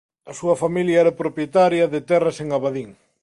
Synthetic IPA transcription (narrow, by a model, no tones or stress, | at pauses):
ɐsuɐfamiljɐɛɾapɾopjet̪aɾjɐðet̪ɛrɐseŋaβaðiŋ